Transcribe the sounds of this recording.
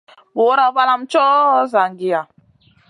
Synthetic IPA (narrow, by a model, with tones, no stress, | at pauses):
bo˨˦ɾa˦ba˦la˦mt͡ʃɔ˦za˨ŋɡi˨ja˨